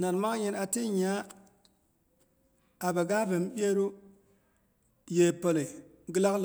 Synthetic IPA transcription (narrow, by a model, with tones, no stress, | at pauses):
na˨nma˦kji˦na˨ti˦ɲa˨˦ | a˨be˨ɡa˦be˨m˦bʲe˦ɾu˦ | je˨po˨le˨ | ɡi˦la˦kl